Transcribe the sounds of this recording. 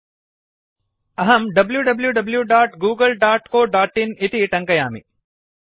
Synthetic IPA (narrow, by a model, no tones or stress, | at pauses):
ɐɦɐmɖɐbljuɖɐbljuɖɐbljuɖaːʈɡuːɡəlɖaːʈkoːɖaːʈinɪt̪iʈɐ̃ŋkɐjaːmḭ